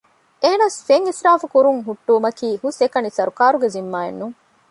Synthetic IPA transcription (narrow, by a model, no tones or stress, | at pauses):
eːnɐsfeŋisɾaːfukuɾuŋɦuʈːuːmɐkiːhusekɐnisɐɾukaːɾuɡezimːaːḛnːuŋ